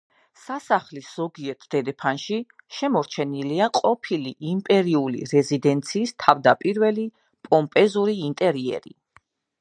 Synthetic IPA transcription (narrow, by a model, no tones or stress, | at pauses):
sasaχlisz̥ɔɡiɛt̪ʰd̪̥ɛd̪ɛpʰanʃiʃɛmɔɾt͡ʃʰɛniliaqʼɔpʰiliʔimpʼɛɾiulḭɾɛzid̪ɛnt̪sʰiːst̪ʰavd̪apʼiɾvɛli | pʼɔmpʼɛzuɾiint̪ʼɛɾiɛ̰ɾḭ